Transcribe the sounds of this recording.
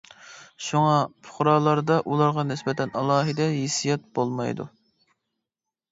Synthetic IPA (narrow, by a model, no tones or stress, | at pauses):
ʃuŋɑpʰʊ̥χʊɾɑːlˠɑɾd̪ɑʔulˠɑɾʁɑnɪsbɛt̪ʰɛnɑlˠɑːɦɨd̪ɛɦisijɛt̪̚bolˠmɑjd̪ṵ